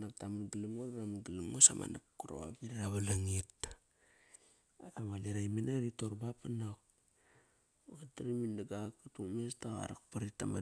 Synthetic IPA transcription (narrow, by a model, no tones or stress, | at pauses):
nak̚tamaɡalimŋoɾaɾamaɡilamŋosa̰ma̰na̰p̚kuɾo̰a̰biɾaɾaβalaŋit̚ | atamalaɾajmenaɾitoɾbapanak̚ | ataɾimindaɡakːatuŋmestaɣa̰ɾa̰kpaɾitama